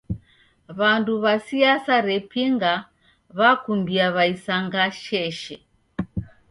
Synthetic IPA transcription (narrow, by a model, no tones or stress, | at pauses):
βanduβasiasaɾɛpiŋɡa | βakumbiaβaisaŋɡaʃɛʃɛ